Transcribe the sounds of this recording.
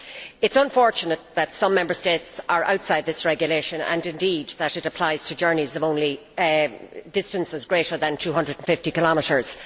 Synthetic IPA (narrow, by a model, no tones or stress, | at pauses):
ɪtsə̃ɱfɔɹt͡ʃənət̪̚ðətsʌ̃mːɛ̃mbə˞stetsə˞ʔa̰ʊtsaɪd̪̚ðɪsɹɛɡjəleʃə̃nə̰̃nɪ̃ndid̪ðəɾɨɾəpʰl̥aɪz̥tʰəd͡ʒɜ˞nizʌvõʊ̃nli | dɪstə̃nsɪzɡɹeːɾə˞ðə̃ntʰʉːɦʌ̃ndɹədn̩fɪftikɪlɑməɾə˞z̥